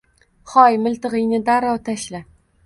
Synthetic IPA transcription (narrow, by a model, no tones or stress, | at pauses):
χɒjmʊlˠt̪ɨʁɨjnɪd̪aɾɒt̪ʰaʃla